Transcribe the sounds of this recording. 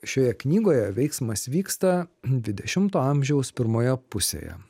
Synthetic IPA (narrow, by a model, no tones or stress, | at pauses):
ʃʲoːjɛknʲiːɡoːjɛʋʲɛɪksmɐsʋʲiːkst̪ɐd̪ʲʋʲɪd̪ʲɛʃʲɪmt̪oːɑmʲʒʲɛʊspʲɪɾmoːjɛpʊsʲḛjɛ̰